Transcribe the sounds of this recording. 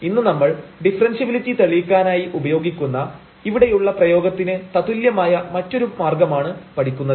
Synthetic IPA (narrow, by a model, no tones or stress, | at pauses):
inːɨnɐmːɐɭɖifrɐnsɐʋilitːit̪ɐɭikʲːaːnaːjiʔubɐjo̞ːɡikʲːunːɐ | iʋiɽe̞juɭːɐprɐjo̞ːɡɐt̪ːinɨt̪ɐt̪uljɐmaːjɐmɐtːo̞ɾumaːrɡɐmaːɳɨpɐʈʰikʲːunːɐðɨ